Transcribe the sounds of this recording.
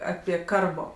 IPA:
ˈɑːpʲiɛ ˈkɐrboː

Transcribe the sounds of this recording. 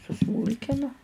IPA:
sʊˈsmuːlʲkʲɪnʊ

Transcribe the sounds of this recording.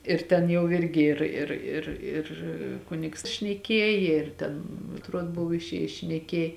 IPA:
ɪr ˈtʲɛn jɛʊ ˈɪrʲɡʲɪ ˈɪr ɪr ɪr ɪr ˈkʊnʲɪks ʃʲnʲɛˈkʲiɛjeː ɪr ˈtʲɛn ɐtˈruɔt ˈbʊw ɪʃʲˈeːjɪs ʃʲnʲɛˈkʲiɛj

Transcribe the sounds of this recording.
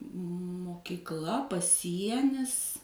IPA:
moːkʲɪkˈlˠɐ pɐˈsʲiɛnʲɪs

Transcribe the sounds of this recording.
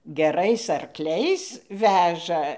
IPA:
ɡʲɛˈrɐɪs ɐrˈklʲɛɪs ˈʋʲæːʒɐ

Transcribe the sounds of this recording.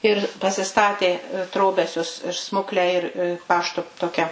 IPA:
ɪr pɐsʲɪˈstɑːtʲeː ˈtroːbʲɛsʲʊs ɪr ˈsmʊklʲɛ ɪr ˈpɑːʃtoː ˈtoːkʲɛ

